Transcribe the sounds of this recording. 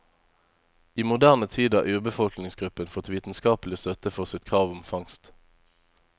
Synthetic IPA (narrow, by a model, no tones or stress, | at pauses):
iːmʊd̪æʁnət̪ʰiːd̪ɑʔʉːbəfɔlknɪŋsɡʁʉpənfɔt̪ʋiːt̪n̩skɑːpəlɪst̪œt̪əfɔʁsɪt̪kʰʁɑːʋʊmfɑŋst̪